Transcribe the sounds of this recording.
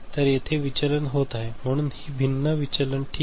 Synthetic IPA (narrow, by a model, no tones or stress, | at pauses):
t̪əɾjet̪ʰeʋit͡ɕələnɦot̪aɦem̤əɽ̃uːnhiːbʱinːəʋit͡ɕələnʈʰiː